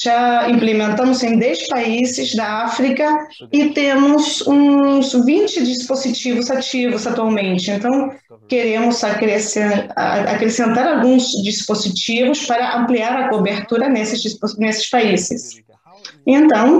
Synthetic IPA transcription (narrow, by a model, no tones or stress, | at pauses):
ʒ̥aĩmplemẽnt̪ɐ̃mʊzẽj̃d̪ɛspaizɪzd̪ɐafɾikɐ | ɪt̪ẽmʊzũzvĩnt͡ʃɪd͡ʒispozit͡ʃivʊzat͡ʃivʊsat̪uawmẽnt͡ʃɪẽnt̪ɐ̃w̃ | keɾẽmʊzakɾesḛa̰kɾesẽnt̪aɾawɡũzd͡ʒispozit͡ʃivʊspaɾɐʔɐ̃mpliaɾɐkobeɾt̪uɾɐnesɪzisponesɪ̥spaizɪs | ẽnt̪ɐ̃w̃